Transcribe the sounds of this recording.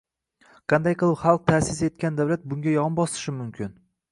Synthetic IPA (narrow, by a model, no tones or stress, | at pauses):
qʰɑnd̪ajqɨlˠɪpχɑlˠq̚t̪ʰasɪse̞t̪̚kʲand̪awlat̪̚bʊŋɡʲajɒmbɒsɪ̥ʃɪmʊmkʲʰɪn